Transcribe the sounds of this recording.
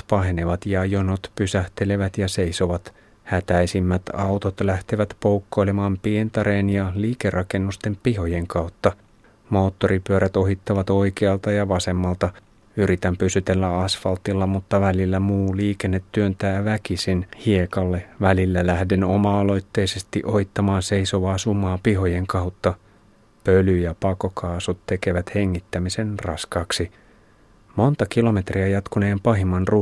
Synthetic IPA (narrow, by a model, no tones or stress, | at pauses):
pɑɦeneʋɑt̪jɑjonot̪pysæht̪e̞le̞ʋæt̪jɑse̞jso̞ʋɑt̪ | hæt̪æjsimːæt̪ɑwt̪ot̪læht̪eʋæt̪powkːo̞jlemɑːmpient̪ɑɾeːnjɑliːkerʔɑke̞nːust̪empiɦo̞jeŋkɑwt̪ːɑ | mo̞ːt̪ːo̞ɾipyøɾʔæt̪o̞ɦit̪ːɑʋɑt̪o̞jkeɑlt̪ɑjɑʋɑse̞mːɑlt̪ɑ | yɾit̪æmpysyt̪elːæɑsfɑlt̪ilːɑmut̪ːɑʋælilːæmuːliːkenːet̪ːyønt̪æːʋækisinhiekɑlːe̞ʋælilːælæhdeno̰mɑolo̞jt̪ːe̞jse̞st̪ḭʔo̞it̪ːɑmɑːnse̞jso̞ʋɑːsumːɑːpiɦo̞je̞ŋkɑwt̪ːɑ | pølyjɑpɑkokʰɑːsut̪tːe̞ke̞ʋæt̪he̞ŋːit̪ːæmise̞nrɑ̰skɑksi | mo̞nt̪ɑkilo̞me̞t̪riæjɑt̪kune̞ːmpɑɦimːɑnru